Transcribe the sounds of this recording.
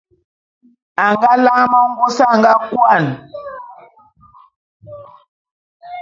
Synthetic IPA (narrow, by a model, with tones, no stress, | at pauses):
a˨ŋɡa˦la˦ma˦ŋ̩˦ɡu˦sa˦˨ŋɡa˦kwa˦˨n